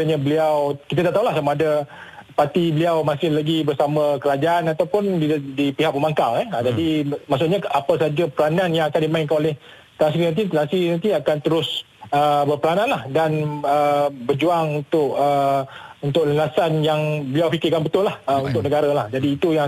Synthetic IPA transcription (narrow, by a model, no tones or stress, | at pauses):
əɲəbəliawkit̪̬at̪aʔt̪aɦulahsamaːda | pat̪ibəliawmasɪhlaɡibərsaməkəɾad͡ʒaʔanat̪awpʊndidipiɦak̚məmaŋkaŋɛəd͡ʒadimaʔs̬ʊʔɲaapəsad͡ʒapəlananjãŋakandimãɪnkanolɛh | t̪əlas̬iinant̪̬iəlasinãnt̪iakant̪əɾʊs | əbərpəlanãnlahdanəbərd͡ʒuaŋunt̪ʊkəunt̪ʊk̚ləlasanjaŋbəliawfikɪrkanbət̪ʊlahəunt̪ʊk̚nəɡaɾalahd͡ʒadiːt̪ujaŋ